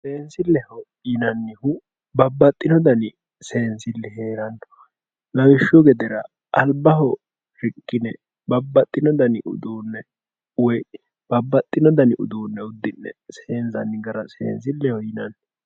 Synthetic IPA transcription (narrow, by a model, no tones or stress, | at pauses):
seːnsɪlːɛhɔ | jɪnɐnːɪhʊ | bɐbːɐt̪ʼːɪnɔd̪ɐnɪ | se̞ːnsɪlːɛɦeːɾɐnːɔ̥ | lɐwɪʃːɔɡɛd̪ɛɾɐ | ɐlbːɐɦɔ | ɾɪkʼːɪnɛ | bɐbːɐt̪ʼːɪnɔd̪ɐnɪʔʊ̰d̪uːnːɛ | wɔj | b̥ɐbːɐt̪ʼːɪnɔd̪ɐnɪʊ̰d̪uːnːɛʊd̪ːɪnːɛ̰seːnsɐnːɪɡɐɾɐsḛːnsɪlːɛhɔjɪnɐnː